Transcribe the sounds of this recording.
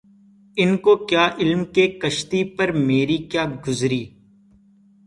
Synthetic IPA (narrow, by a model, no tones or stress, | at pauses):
ɪnkokjaːʔɪlmkekɐʃt̪ipəɾmeːɾikjaːɡʊzɾiː